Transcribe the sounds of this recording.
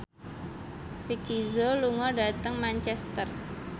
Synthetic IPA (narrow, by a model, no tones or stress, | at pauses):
fikizoluŋɔɖa̤t̪əŋmant͡ʃɛst̪ər